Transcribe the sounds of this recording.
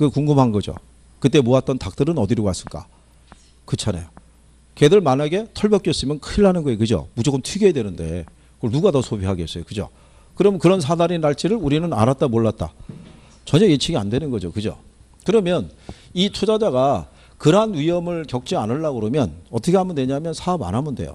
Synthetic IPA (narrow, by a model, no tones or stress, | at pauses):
kɯkuŋɡɯmɦanɡʌd͡ʑo̰ | kɯt͈e̞moat̚t͈ʌntak̚t͈ɯɾɯnʌdiɾowas͈ɯɭk͈a̰ | kɯt͡ɕʰana̰jo | kedɯɭmanaɡe̞tʰʌɭbjʌk͈jʌs͈ɯmjʌnkʰɯiɭɦanɯnɡʌjekɯd͡ʑo̰mud͡ʑok͈ːɯmtʰiɡeːdwenɯnde̞̰ | ɯɡʌɭnuɡatʌsʰobiɦaɡes͈ʌjokɯd͡ʑo̰ | kɯɾʌmɯnkɯɾʌns̬ʰadaɾinːaɭt͡ɕ͈iɾɯɭuɾinɯna̰ɾat̚t͈amoɭːat̚t͈a̰ | t͡ɕʌɲʌjet͡ɕʰiɡiandwe̞nɯnɡʌd͡ʑokɯd͡ʑo̰ | kɯɾʌmjʌnit͡ɕʰod͡ʑad͡ʑaɡa | kɯɾanɥiʌmɯɭkjʌk̚t͡ɕ͈ianɯɭːaɡɯɾomjʌnʌt͈ʰʌkʰeamɯndwe̞ɲamjʌnsʰaʌba̰nɦamɯndejo̰